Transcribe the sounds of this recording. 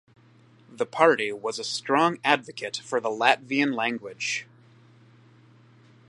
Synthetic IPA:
ðəpʰɑɹɾiwʌzɨstɹ̥ɔ̃ŋædvɨkʰɨtfə˞ðəlætviɨ̃nlæ̃ŋɡwɪd̥ʒ̥

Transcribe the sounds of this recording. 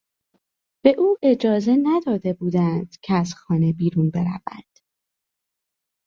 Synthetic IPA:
b̥e̞ʔuːʔe̞d͡ʒɒːze̞næd̪ɒːd̪e̞buːd̪ænd̪̥cʰeæz̥xɒːne̞biːɾunbe̞ɾæ̰væ̰nd̪̥

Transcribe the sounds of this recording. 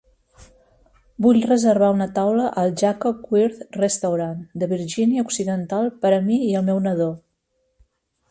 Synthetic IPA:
buʎrəzəɾβ̞aunət̪awləʔəlˠʒakɔp̚kwiɾt̪rəst̪əwɾand̪əβiɾʒiniəuksiðənt̪alˠpəɾəmiiəlˠmɛwnəðo

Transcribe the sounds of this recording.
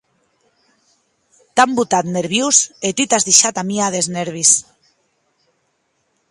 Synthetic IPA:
t̪ambut̪at̪neɾβjuset̪it̪azðiʃat̪amiaðezneɾβis

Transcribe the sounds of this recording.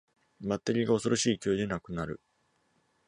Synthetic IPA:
mat̪ːeɾʲiɡaosoɾo̞ɕiːkʲoːd̪e̞nakɯ̟naɾɯ̟

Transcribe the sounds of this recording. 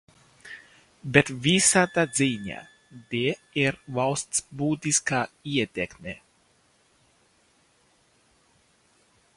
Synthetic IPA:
bet̪visat̪aziːɲʲa̰ | d̪eːiɾvalˠst̪sbuːt̪iskaiɛt̪ʲɛkmʲe

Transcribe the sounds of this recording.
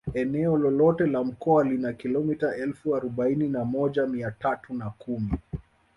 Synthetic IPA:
ɛnɛɔlɔlɔtɛlam̩kɔalinakilɔmitaɛlfuaɾuɓaininamɔʄamiatatunakumi

